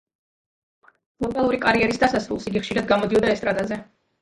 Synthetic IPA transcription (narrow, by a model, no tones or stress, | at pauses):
b̥ɾut̪ʼalˠuɾikʼaɾiɛɾisd̪asasɾulˠsiɡiχʃiɾad̪̚ɡamɔd̪iɔd̪aɛst̪ʼɾat̪ʼazɛ